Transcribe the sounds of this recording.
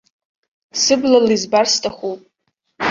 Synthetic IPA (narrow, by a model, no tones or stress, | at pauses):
sɨblalizbarstʼaχupʼ